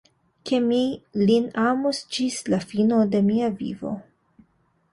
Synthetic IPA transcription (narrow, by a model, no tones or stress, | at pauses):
ke̞milinamusd͡ʒislafino̞de̞miavḭvo̞̰